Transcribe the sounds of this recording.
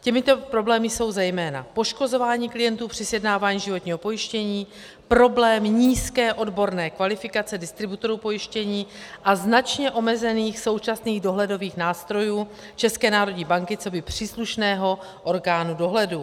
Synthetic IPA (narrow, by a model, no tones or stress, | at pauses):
cɛmɪt̪o̞pɾo̞blɛːmɪso̞wzɛjmɛːna̰po̞ʃko̞zo̞vaːɲiːklɪjɛnt̪uːpr̝̥ɪsjɛdnaːvaːɲiːʒɪvo̞t̪ɲiːɦo̞po̞jɪʃcɛɲiː | pɾo̞blɛːmɲiːskɛːʔo̞dbo̞ɾnɛːkvalɪfɪkat͡sɛdɪst̪ɾɪbut̪o̞ɾuːpo̞jɪʃcɛɲiːʔaznat͡ʃɲɛʔo̞mɛzɛniːxso̞wt͡ʃasniːɣdo̞ɦlɛdo̞viːxnaːst̪ɾo̞juː | t͡ʃɛskɛːnaːɾo̞ɟɲiːbaŋkɪt͡so̞bɪpr̥iːsluʃnɛːɦo̞ | ʔo̞ɾɡaːnudo̞ɦlɛdu